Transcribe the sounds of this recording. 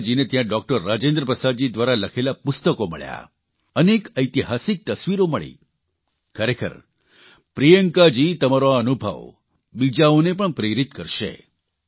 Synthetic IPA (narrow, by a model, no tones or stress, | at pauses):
d͡ʒinet̪jãɖɔk̚ʈəɾːad͡ʒẽnd̪ɾəpɾəsad̪d͡ʒid̪ʋaɾaləkʰelapʊst̪əkomə̰ɭja̰ | ənekəjt̪iɦasik̚t̪əsʋiɾoməɭḭ | kʰəɾekʰə̰ɾ | pɾijəŋkad͡ʒit̪əmaɾoənubʱə̰ʋ | bid͡ʒaonepəɳpɾeɾit̪kəɾʃḛ